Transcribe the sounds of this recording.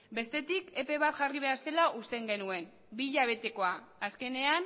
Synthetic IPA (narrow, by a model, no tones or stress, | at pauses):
be̞st̪e̞t̪ike̞pe̞β̞at̪ʝariβ̞e̞aɾse̞laʔust̪e̞ŋɡe̞nue̞n | biʎaβ̞e̞t̪e̞ko̞aaske̞ne̞an